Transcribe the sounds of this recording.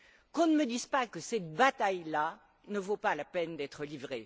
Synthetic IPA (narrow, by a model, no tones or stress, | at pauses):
kɔ̃nəməd̪izpakəsɛt̪bat̪ajla | nəvopalapɛnd̪ɛt̪χəlivʁe